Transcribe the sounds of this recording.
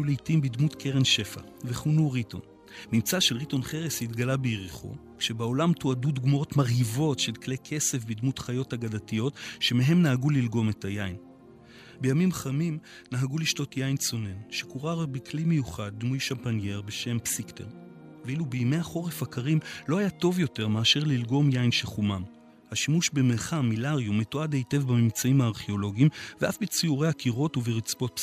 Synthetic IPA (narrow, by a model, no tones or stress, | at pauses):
julejtimbidmutkʰeʁenʃe̞fa̰ | veχunuʁito̞̰n | mimt͡saʃelʁito̞nχe̞ʁeshitɡalabejʁiχo̰kʃe̞beo̞lamtoadudɡmoo̞tmaʁhivo̞tʃe̞lkle̞jkʰe̞se̞fbidmutχajo̞taɡadatijo̞tʃe̞meɦe̞mnaɦaɡulilɡo̞me̞tʰajain | be̞jamimχamim | naɦaɡuliʃto̞tjajnso̞ne̞nʃekuʁaʁbekʰlime̞juχad̚ːmujʃampanje̞ʁbe̞ʃe̞mpsikteʁ | vilubeime̞jaχo̞ʁefakaʁimlo̞hajato̞vjo̞te̞ʁmeaʃe̞ʁlilɡo̞mjainʃelχumam | haʃimuʃbemeʁχamilaʁjumːetoadhe̞jte̞vbamimt͡saimhaːʁχeo̞lo̞ɡimveafbit͡siuʁehakiʁo̞tuveʁit͡sbo̞t̚p